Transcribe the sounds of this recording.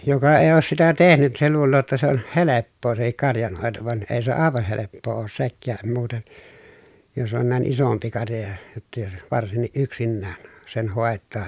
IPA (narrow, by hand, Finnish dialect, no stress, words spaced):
jokɑ eˑi̯ oːs sitæ tehnyt se luːlːoː jotːɑ se on helepːoː sehik kɑrjɑnhoˑeto ʋɑn eː se ɑˑeʋɑh helepːoː oːs sekːæːm muːten jos on næˑen isompi kɑrjɑ jɑ jotːɑ̆ jos ʋɑrsinːiʔ ʔyksinːæːn sen hoˑetˑɑː